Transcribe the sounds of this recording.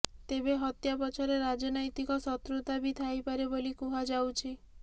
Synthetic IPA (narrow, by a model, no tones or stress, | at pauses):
t̪ebeɦɔt̪japɔt͡ʃʰɔɾeɾad͡ʒɔnɔjt̪ikɔsɔt̪ɾut̪abit̪ʰajpaɾebolikuɦad͡ʒawt͡ʃʰi